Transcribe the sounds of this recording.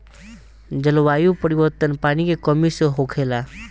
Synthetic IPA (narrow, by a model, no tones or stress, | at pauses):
d͡ʒəlʋaːjupəɾiʋəɾt̪ənpaːnikekəmiseɦokʰeːla